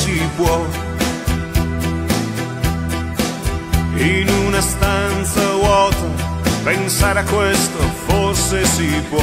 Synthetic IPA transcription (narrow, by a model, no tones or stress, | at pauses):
sipwɔ | inunast̪ant̪sawɔt̪opensaːɾeakːwest̪oforsesipwɔ